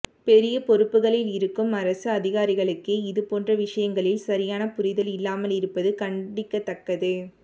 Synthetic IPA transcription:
pɛɾɪjɐpɔɾɯpːɯɣɐɭɪlɪɾɯkːɯmɐɾɐsɯɐðɪɣaːɾɪɣɐɭɯkːeɪðɯpoːndrɐʋɪʂɐjɐŋɡɐɭɪlsɐɾɪjaːnɐpʊɾɪðɐlɪlːaːmɐlɪɾɯpːɐðɯkɐɳɖɪkːɐt̪ːɐkːɐðɯ

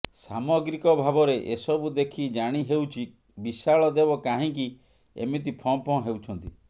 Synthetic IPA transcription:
samɔɡɾikɔbʱabɔɾeʔesɔbud̪ekʰid͡ʒaɽ̃iɦewt͡ʃʰi | bisaɭɔd̪ebɔkaɦĩki | ḛmit̪̬ipʰɔ̃pɔ̃ɦewt͡ʃʰɔnt̪i

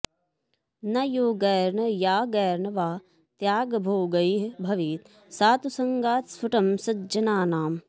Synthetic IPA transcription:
nɐjoːɡɐjɾnɐjaːɡɐːɾnɐʋaː | t̪jaːɡbʱoːɡɐiɦbʱɐʋiːt̪ | saːt̪usɐŋɡaːt̪sfuʈɐmsɐd͡ʒɐnaːnaːm

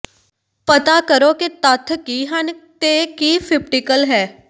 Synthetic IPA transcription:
pət̪aːkəɾoːkit̪ət̪ʰːkiːɦənt̪eːkiːpʰɪp̚ʈɪkəlɦɛː

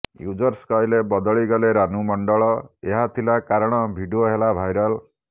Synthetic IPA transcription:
jud͡ʒʌɾskajlebɔd̪ɔɭiɡɔleɾanumʌɳɖɔɭɔeɦat̪ʰilakaɾɔɽ̃ɔbʱiɖioɦelabʱajɾɔl

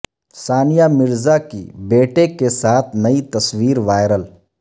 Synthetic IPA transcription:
saːnijamɪɾzakḭbeːʈekesaːt̪ʰnɐit̪ɐswiːɾʋaːɪɾəl

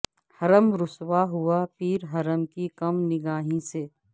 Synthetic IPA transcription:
hɐɾəmɾʊswaɦʊapiːɾɦɐɾəmkikɐmnɪɡaːɦĩseː

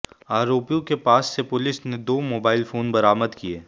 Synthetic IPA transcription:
aːɾoːpijõkepaːsːepʊlɪsned̪oːmoːbaːɪlfoːnbɐɾaːməd̪kieː

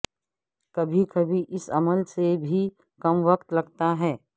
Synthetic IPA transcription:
kɐbʱikɐbʱiʔɪsɐməlsebʱi | kɐmʋɐk̚t̪lɐɡt̪aɦɛː

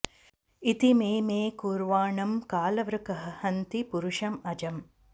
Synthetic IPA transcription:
it̪imeːmeːkuːɾʋaːɳɐmkaːlɐʋɾɐkɐɦɐ̆hɐnt̪ipuɾuʂɐmɐd͡ʒɐm

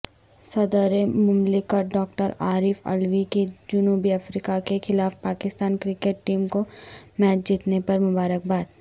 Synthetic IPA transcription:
sɐd̪əɾemʊmlɪkəɖɔːk̚ʈəɾaːɾɪfɐ̰lʋikid͡ʒʊnuːbiɐfɾiːkakexɪlaːfpaːkɪst̪aːnkɾɪkeʈʈiːmkomɛːt͡ʃd͡ʒiːt̪nepɐɾmʊbaːɾək̚baːt̪

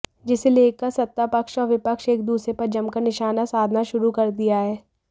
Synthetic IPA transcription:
d͡ʒɪseleːkəɾsɐt̪ːapɐkʃɔːɾʋɪpəkʃeːk̚d̪uːsɾepɐɾd͡ʒɐmkɐɾnɪʃaːnasaːd̪ʱnaʃʊɾukɐɾd̪ijaɦɛː

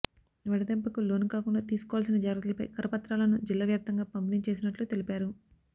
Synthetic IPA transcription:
ʋɐɽɐd̪empɐkulo̞ːnukaːkuɳɖaːt̪iːsu̥kɔʋaːls̬inɐd͡ʒaːɡɾɐt̪ulɐpɐ̰jkɐɾɐpɐt̪ɾaːlɐnud͡ʒilːaːʋjaːp̚t̪ɐŋɡaːpɐmpiniɲt͡ʃe̞ːs̬inɐʈlut̪elipaːɾu

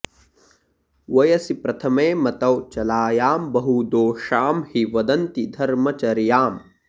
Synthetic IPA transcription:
ʋɐjɐsipɾɐt̪ʰɐmeːmɐt̪ɐwt͡ʃɐlaːjaːmbɐɦud̪oːʃaːmhiʋɐd̪ɐnt̪id̪ʱɐɾmɐt͡ʃɐɾjaːm

